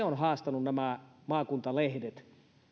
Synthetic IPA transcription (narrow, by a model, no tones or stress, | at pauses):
eonhɑːst̪ɑnunnæmæmɑːkunt̪ɑlehdet̪